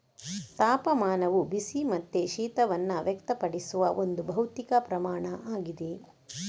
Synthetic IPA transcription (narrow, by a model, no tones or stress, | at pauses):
t̪aːpɐmaːnɐʋubisimɐt̪ːeʃiːt̪ɐʋɐnːɐʋjɛkt̪ɐpɐɽisuʋɐʔond̪ubʱɐwt̪ikɐpɾɐmaːɳɐʔaːɡid̪e